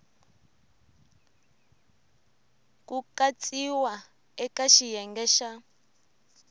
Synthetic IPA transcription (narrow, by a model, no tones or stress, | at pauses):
kukat͡sʼiwa | ɛkaʃijɛŋɡɛːʃa